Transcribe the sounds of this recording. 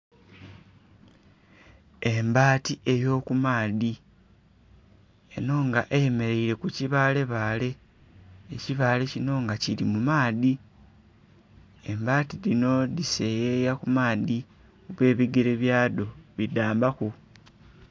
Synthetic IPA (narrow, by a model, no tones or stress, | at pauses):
e̞mbaːtiʔe̞jo̞ːkumaːði | e̞̰no̞ŋɡaʔejeme̞ɾe̞iɾe̞kuciβaːle̞βaːle̞ː | ciβaːle̞cino̞ŋɡacilimumaːði | e̞mbaːtilino̞ðisejejakumaːði | oβwe̞ːβiɡeɾeβjaːdo̞βidaːmbaku